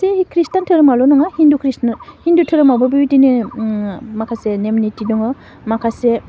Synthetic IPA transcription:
sehikʰɾistantʰɯɾɯmalɔnɔŋahindukʰɾishindutʰɯɾɯmabɯbiwitinɯ | makʰasenemnitidɔŋɯ | makʰase

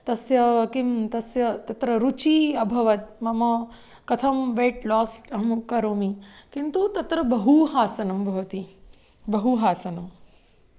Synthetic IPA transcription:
t̪ɐsjɐkimt̪ɐsjɐt̪ɐt̪ɾɐɾut͡ʃiɐbʱɐʋɐt̪̚mɐmɐ | kɐt̪ʰɐmʋeːʈlɔːsɐɦɐmkɐɾoːmikint̪ut̪ɐt̪ɾɐbɐɦuɦaːsɐnɐmbʱɐʋɐt̪i | bɐɦuɦaːsɐnɐm

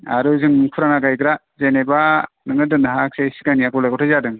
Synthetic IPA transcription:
a̰ɾɯzɯŋmɯŋkʰuɾanaɡajɡɾa | zeneba | nɯŋɯdɯnɯɦak̚sesi̥kaniakɔlajɡɔtʰazadɯŋ

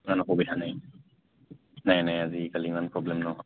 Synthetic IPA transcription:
nanɔkobitʰanaj | najnajazikalimanpɹɔblɛmnɔɦɔ

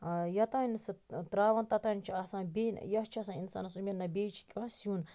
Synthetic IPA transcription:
jɐt̪ansit̪ɾaːʋɐnt̪ɐt̪ɐnʲt͡ʃʰiɐsãːnbeːnjɐht͡ʃʰɐsãinsa̰ːnɐsuminːɐbeːt͡ʃʰi̥kʲʼɐ̃ːsiũn

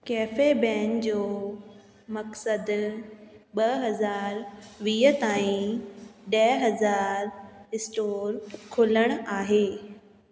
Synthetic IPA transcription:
kɛːfebɛ̃ːnd͡ʑoː | mɐksəd̪ | ɓɐɦɐzaːɾʋiːɦət̪aːĩ | ɗɐɦɐzaːɾɪsʈoːɾkʰoːləɽ̃aːɦeː

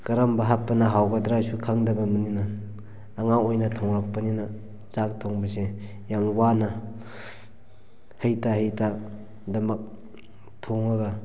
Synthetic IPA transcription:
kɐɾambaɦapːɐnɐɦawɡɐdɾasukʰaŋdɐbɐmɐninɐː | ŋaojnɐtʰoŋɾak̚pɐninɐ | zak̚tʰoŋbɐse | jamwanɐ | hɐjtaɦəjtʰa | dɐmɐk̚ | tʰoŋaɡa

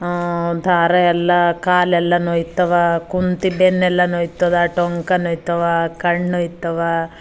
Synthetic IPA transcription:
d̪ʱaːɾɐɛlːɐkaːlɛlːɐnojt̪ɐʋakunt̪ibenːɛlːɐnojt̪ːɐd̪aʈoŋkɐnojt̪ɐʋakɐɳːojt̪ɐʋa

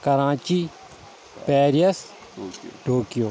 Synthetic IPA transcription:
kɐɾãːt͡ʃiː | pɛːɾijəs | ɖʱoːkijoː

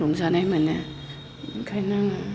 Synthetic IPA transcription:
ɔŋzanajmane | kʰajnaŋ

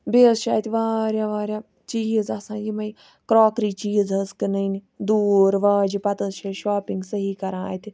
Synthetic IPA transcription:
beːsʃa̰ːt̪iʋaːɾʲjaːʋaːɾʲjaː | t͡ʃiːzasãːjimɐi | kɾoːkɾiːt͡ʃiːzɐskɨnɐini | d̪uːɾʋaːd͡ʒipɐt̪əsʃɐʃaːpĩŋɡsəɦiːkɐɾãːa̰ːt̪i

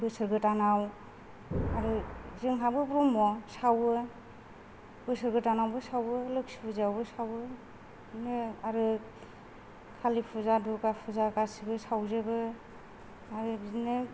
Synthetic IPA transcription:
bɯsɯɾɡɯtanaw | aɾɯzɯŋɦabɯbɾɔmɔsawɯ | bɯsɯɾɡɯtanawbɯsawɯlɯksipʰɯzawbɯsawɯ | nɯaɾɯ | kʰalipʰuzadukapʰuzakasibɯsawzebɯ | aɾɯbnɯ

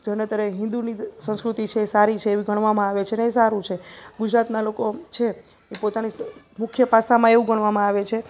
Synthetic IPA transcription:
d͡ʒʱənet̪əɾeɦɪ̃nd̪unisə̃nskɾut̪it͡ʃʰeːsaɾit͡ʃʰeːʋiɡʱəɳ̃ʋamãaʋet͡ʃʰeneesaɾũt͡ʃʰeɡud͡ʒɾat̪nalokot͡ʃʰe | epot̪ani | mʊkʰjəpasamãeʋũɡʱəɳ̃ʋamãaʋet͡ʃʰe

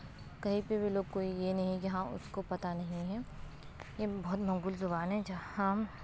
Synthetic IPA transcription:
kɐɦĩpebʱiloːɡkːoːijenɐɦĩkiɦãʊ̰skopɐt̪anɐɦĩɦɛ̃ː | jebɔːt̪mɐ̃ŋɡulzʊbaːnɦɛ̃d͡ʒahãː

